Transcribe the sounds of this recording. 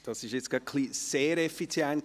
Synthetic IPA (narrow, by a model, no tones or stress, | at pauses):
d̥ɑsɪʃjet͡sɡ̥ɑkʰliːseːɾɛfit͡sjɛnk